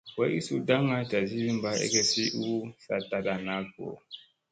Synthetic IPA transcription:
wɛ˦ʔi˦su˦da˦ŋa˦ta˨zi˦zi˦m˦ba˦ḛ˦ke˦si˦ʔu˦sa̰˨ta˨da˨na˦ɡo̰˨

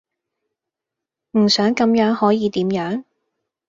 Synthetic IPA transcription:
m̩˨˩sœː˨˥ŋkɐ˨˥mjœː˨˥ŋhɔː˨˥jiː˨˧t̪iː˨˥mjœː˨˥ŋ

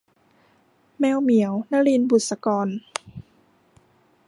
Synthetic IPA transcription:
mɛː˧wmi˨˩˦əwna˧˥li˧˨nbu˨˩t̪̚sa˧kɔː˧n

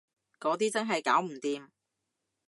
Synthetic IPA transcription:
kɔː˨˥t̪̬iː˥t͡sɐ˥nɦɐ˨jkaː˨˥wm̩˨˩t̪iː˧m

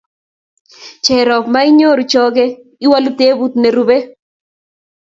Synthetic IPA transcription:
t͡ʃɛ˨ɾɔ˨kma˦ɪ˦ɲo˦ɾu˨t͡ʃɔ˦ɡe˦ | ɪ˦wa˦lu˦t̪e˦bu˦t̪ne˨ɾube˦

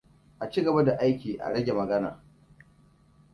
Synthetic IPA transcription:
ʔa˨t͡ʃi˦ɡɐ˨ba˦da˨ʔa˦jkʲiː˨ʔa̰˨ɽɐ˦ɡʲe˨mɐ˨ɡɐ˦na̰ː˨

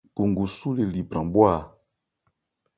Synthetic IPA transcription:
ku˨ŋɡu˨su˦le˨li˨bɾã˨bwa˦˨

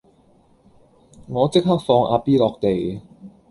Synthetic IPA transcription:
ŋɔː˨˧t͡sɪ˥k̚haː˥k̚fɔː˧ŋʔa̰ː˧piː˥lɔː˨˧k̚t̪e˨j

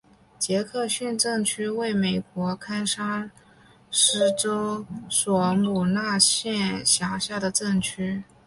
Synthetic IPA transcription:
t͡ɕjɛ˧˥kʰɤ˥˧ɕy˥˧nʈ͡ʂɤ˥˩ŋt͡ɕʰy˥we˥˩ɪme˨˩ɪkwɔ˧˥kʰa˥nʂa˥ | ʂɻ̩˥ʈ͡ʂo˥ʊswɔ˧˩mu˨˩na˥˧ɕjɛ˥˩nɕja˧˥ɕja˥˩d̪ə˩ʈ͡ʂɤ˥˩ŋt͡ɕʰy˥

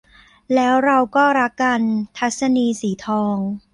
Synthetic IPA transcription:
lɛː˦˥wɾa˧wkɔː˥˩ɾa˦˥kːa˧nt̪ʰa˦˥t̪̚sa˧niː˧siː˩˦t̪ʰɔː˧ŋ

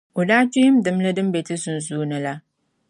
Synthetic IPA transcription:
ʊ˨daː˦t͡ʃi˦jɪ˦mdɨ˨mlɐ˦dɨ˦mbe˨ti˦zʊ˨n˨zuː˦nɨ˦la˦

